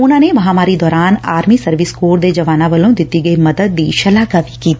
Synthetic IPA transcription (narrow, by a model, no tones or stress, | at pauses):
ʊnãːneʋɐɦãmaːɾid̪ɔːɾaːnaːɾmisɐɾʋɪskoːɾd̪ed͡ʒɐʋaːnãʋɐlõd̪ɪt̪iɡɐimɐd̪əd̪̚ːiːʃɐlaːɡaʋikiːt̪ː